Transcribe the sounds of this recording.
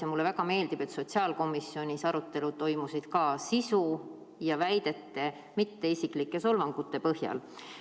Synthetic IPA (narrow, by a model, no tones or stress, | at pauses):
semulːevæɡɑme̞ːld̪ib̥e̞t̪so̞t̪ʲsiɑːlko̞mːˑisːjo̞nʲisɑɾut̪ːe̞lut̪ːo̞jmusid̪̥kɑːsisu | jɑvæjd̪̥e̞t̪ːe̞ | mit̪ːe̞isiklikːˑe̞so̞lvɑŋɡ̥ut̪ːe̞pɤhjɑ̰l